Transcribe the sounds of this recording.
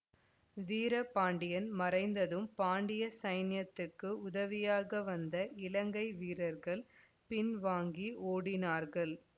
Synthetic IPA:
ʋiːɾɐpaːɳɖɪjɐnmɐrɐɪnd̪ɐðɯmpaːɳɖɪjɐsɐɪnjɐt̪ːɯkːɯʊðɐʋɪjaːɣɐʋɐnd̪ɐʔɪlɐŋɡɐɪʋiːɾɐɾɣɐɭ | pɪnʋaːŋɡioːɽɪnaːɾɣɐɭ

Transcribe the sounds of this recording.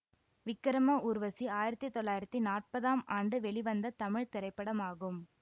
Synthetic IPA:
ʋɪkːɐɾɐmɐʔuɾʋɐsiaːjɪɾɐt̪ːit̪ːɔɭːaːjɪɾɐt̪ːinaːʈ̚pɐðaːmaːɳɖɯʋɛɭiʋɐnd̪ɐt̪ɐmɪɻt̪ɪɾɐɪpːɐɽɐmaːɣɯm

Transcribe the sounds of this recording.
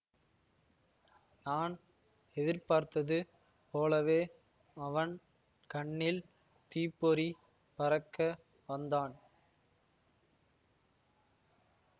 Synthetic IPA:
naːn | ɛðɪɾpaːɾt̪ɐðɯ | poːlɐʋeː | ɐʋɐn | kɐɳːɪl | t̪iːpːɔɾi | pɐɾɐkːɐ | ʋɐnd̪aːn

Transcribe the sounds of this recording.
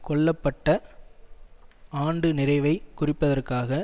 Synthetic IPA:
kɔɭːɐpːɐʈːɐ | aːɳɖɯnɪɾɐɪʋɐɪkʊrɪpːɐðɐrkaːɣɐ

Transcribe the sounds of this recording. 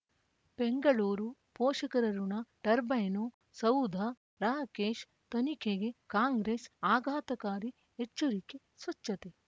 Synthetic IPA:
b̥eŋɡɐɭuːɾupoːʃɐkɐɾɐɾunɐɖɐɾbɐjno | sɐwd̪ʱɐ | ɾaːkeːʃ | t̪ɐnikʰeɡekaːŋɡɾeːsaːɡʱaːt̪ɐkaːɾi | et͡ʃːɐɾike | sʋɐt͡ʃːɐt̪e

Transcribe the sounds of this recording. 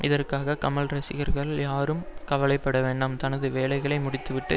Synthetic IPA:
ʔɪðɐrkaːɣɐkɐmɐlɾɐsɪɣɐɾɣɐɭjaːɾɯmkɐʋɐlɐɪpːɐɽɐʋeːɳɖɯmt̪ɐnɐðɯʋeːlɐɪɣɐɭɐɪmʊɽɪt̪ːɯʋɪʈːɯ

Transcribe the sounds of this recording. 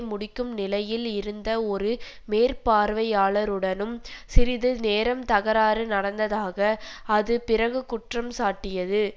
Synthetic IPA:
mʊɽɪkːɯmnɪlɐjɪlɪɾɯnd̪ɐɔɾɯ | meːɾpaːɾʋɐjaːɭɐɾɯɽɐnɯmsɪɾɪðɯneːɾɐmt̪ɐɣɐɾaːɾɯnɐɽɐnd̪ɐðaːɣɐɐðɯpɪɾɐɣɯkʊʈrɐmsaːʈːɪjɐðɯ

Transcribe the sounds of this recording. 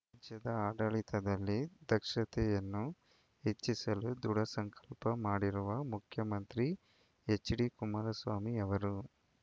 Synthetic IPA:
ad͡ʒjɐd̪ɐaːɖɐɭit̪ɐd̪ɐlːid̪ʱɐkʂɐt̪ɛjɐnːu | ɦet͡ʃːisɐlud̪uɽɐsɐŋkʰɐ̥lpɐmaːɽiɾuʋɐmukʰjɐmɐnt̪ɾi | et͡ʃːɖikumaːɾɐsʋaːmiɛʋɐɾu

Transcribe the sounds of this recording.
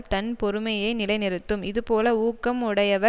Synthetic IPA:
t̪ɐnpɔɾɯmɐjɐɪnɪlɐɪnɪɾɯt̪ːɯmɪðɯpoːlɐuːkːɐmʊɽɐjɐʋɐ

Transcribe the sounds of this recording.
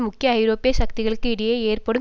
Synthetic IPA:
mʊkːɪjɐɐɪɾoːpɪjɐsɐk̚t̪ɪɣɐɭɯkːɯɪɽɐjeːeːrpɐɽɯ

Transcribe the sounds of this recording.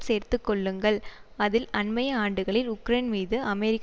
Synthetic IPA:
seːɾt̪ɯkːɔɭːɯŋɡɐɭɐðɪlɐnmɐjɐaːɳɖɯɣɐɭɪɾʊkːɾeːnmiːðɯʔɐmɛɾɪkː

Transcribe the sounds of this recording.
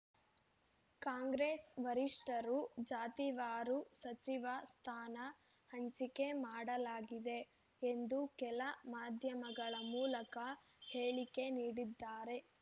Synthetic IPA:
kaːŋɡɾeːsʋɐɾiʂʈɐɾud͡ʒaːt̪iʋaːɾusɐt͡ʃiʋɐst̪ʰaːnɐ | hɐɲt͡ʃike̞maːɽɐlaːɡid̪e̞ | end̪ukɛlɐmaːd̪ʱjɐmɐɡɐɭɐmuːlɐkɐ | heːɭike̞niːɽid̪ːaːɾe̞

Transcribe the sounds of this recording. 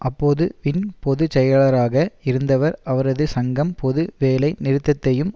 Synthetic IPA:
ʔɐpːoːðɯʋɪnpɔðɯt͡ʃɛjɐɭɐɾaːɣɐɪɾɯnd̪ɐʋɐɾɐʋɐɾɐðɯsɐŋɡɐmpɔðɯʋeːlɐɪnɪɾɯt̪ːɐt̪ːɐjɯm

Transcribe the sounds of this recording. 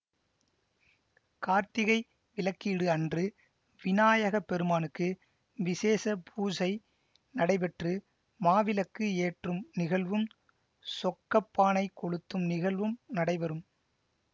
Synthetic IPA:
kaːɾt̪ɪɣɐɪ | ʋɪlɐkːiːɽɯɐndrɯ | ʋɪnaːjɐɣɐpːɛɾɯmaːnɯkːɯ | ʋɪseːsɐpʰuːsɐɪ | nɐɽɐɪpɛʈrɯ | maːʋɪlɐkːɯeːʈrɯmnɪɣɐɭʋɯm | sɔkːɐpːaːnɐɪkɔɽɯt̪ːɯmnɪɣɐɭʋɯmnɐɽɐɪʋɐɾɯm

